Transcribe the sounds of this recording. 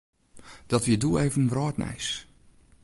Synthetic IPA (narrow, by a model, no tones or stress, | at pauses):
d̥ɔtʋiədueːvənʋrɔːtnɛ̰js